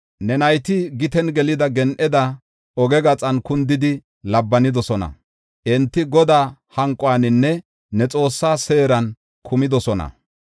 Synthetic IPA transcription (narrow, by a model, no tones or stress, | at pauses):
nɛnɐjt̪ɪɡɪt̪ɛnɡɛlɪd̪ɐɡɛnʔɛd̪ɐ | ɔɡɛɡɐt͡sʼɐnkʊnd̪ɪd̪ɪ | lɐbːɐnɪd̪ɔsɔnɐ̰ | ʔɛnt̪ːɪɡɔd̪aːhɐŋkʼwaːnɪnːɛ | nɛt͡sʼo̞ːsːaːse̞ːɾɐn | kʰʊmɪd̪ɔsɔnɐ̰